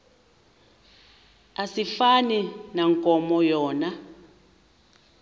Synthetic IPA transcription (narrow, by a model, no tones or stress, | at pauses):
asifaninaŋkʼɔmɔjɔːna